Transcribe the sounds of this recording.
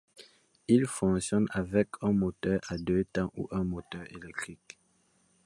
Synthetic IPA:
ilfɔ̃ksjɔnavɛkʰɛ̃mot̪œʁad̪øt̪ɑ̃ʔṵʔɛ̃mot̪œʁelɛk̚t̪χik

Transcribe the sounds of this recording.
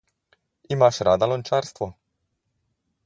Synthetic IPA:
imaʃɾad̪alont͡ʃaːɾst̪ʋo

